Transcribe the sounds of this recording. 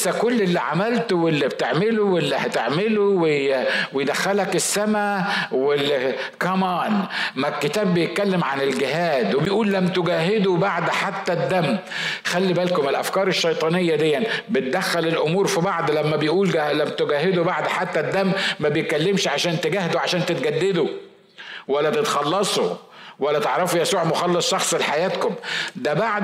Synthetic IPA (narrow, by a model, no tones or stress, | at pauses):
ʔsækolːelːiʕamælt̪owelːibt̪eʕmelowelːihæt̪eʕmelowewejd̪æxːælækɪsːæmæwel | kɑmɑːnmækːɪt̪æːbːejet̪̚kælːemʕanɪlɡɪɦæːd̪webejʔuːlːæmːt̪ʊɡæːɦɪd̪ubaʕd̪ħat̪ːæd̪ːæmː | xælːibælkʊmɪlʔæfkɑːɾˤeʃːɑjt̪ˤɑːnejːæd̪ejːænbɪt̪̚d̪æxːælelʔʊmuːɾfibaʕd̪læmːæbejʔuːlælæmːt̪oɡæːɦed̪ubaʕd̪ħat̪ːæd̪ːæmːæbejkælːemʃʕaʃæːnt̪eɡæhd̪uʕaʃæːnt̪ɪt̪̚ɡæd̪ːed̪u | wælːæt̪et̪xɑlːɑsˤu | wælːæt̪eʕɾˤɑfujæsuːʕmoxɑlːɑsˤʃɑxsˤlħajæːt̪komd̪æbaʕd̪